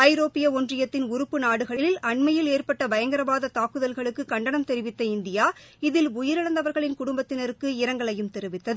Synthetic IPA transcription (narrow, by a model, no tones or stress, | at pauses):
ɐɪɾoːpːɪjɐɔndrɪjɐt̪ːɪnʊɾɯpːɯnaːɽɯɣɐɭɪlɪlʔɐɳmɐjɪleːrpɐʈːɐbɐjɐŋɡɐɾɐʋaːðɐt̪aːkːɯðɐlɣɐɭɯkːɯkɐɳɖɐɳɐmt̪ɛɾɪʋɪt̪ːɐɪnd̪ɪjaː | ɪðɪlʊjɪɾɐɽɐnd̪ɐʋɐɾɣɐɭɪnkʊɽʊmbɐt̪ːɪnɐɾɯkːɯɪɾɐŋɡɐɭɐjɯmt̪ɛɾɯʋɪt̪ːɐðɯ